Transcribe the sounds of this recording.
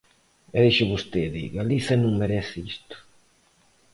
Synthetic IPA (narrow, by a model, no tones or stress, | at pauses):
ɛðeʃʊβust̪eðḭɣaliθɐnũŋmeɾɛθɪist̪ʊ̥